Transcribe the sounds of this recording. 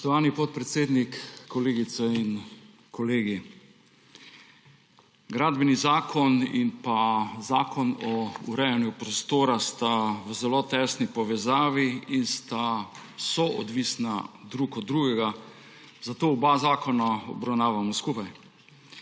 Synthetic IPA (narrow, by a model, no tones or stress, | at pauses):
sɔʃt̪ɔʋaːnipɔt̪̚pɾɛt̪seːd̪nikːɔleːɡit̪sɛin | kɔleːɡi | ɡɾaːd̪bɛnizaːkʰɔnḭnpazaːkʰɔnɔṵɾɛjanjupɾɔst̪oːɾast̪awəzɛlot̪ɛːsnipɔʋɛzaːʋiinst̪awsɔʔɔd̪ʋisnad̪ɾuːkɔd̪ːɾuːɡɛɡa | zat̪oːɔbazaːkɔnaɔ̰bɾawnaːʋamɔskupaj